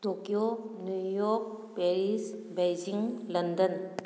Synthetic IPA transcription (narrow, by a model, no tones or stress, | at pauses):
t̪okijonjujoːk̚ | peɾisbejd͡ʒiŋlənd̪ən